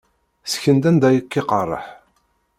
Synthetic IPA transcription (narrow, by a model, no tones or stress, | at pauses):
sçənd̪ænd̪æjəkːiqɑrˤːə̰ħ